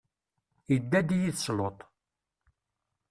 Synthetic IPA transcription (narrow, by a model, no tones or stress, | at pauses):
jəd̪ːæd̪ijiθslot̪ˤ